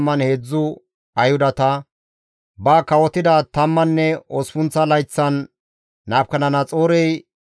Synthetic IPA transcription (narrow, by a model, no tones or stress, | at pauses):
mːɐnheːd͡zːʊ | ɐjhʊd̪ɐt̪ɐ | bɐkɐwɔt̪ɪd̪ɐt̪ɐmːɐnːɛɔspʊnt͡sːɐlɐjt͡sːɐnː | aːp̚kɐnɐnɐt͡sʼoːɾɛj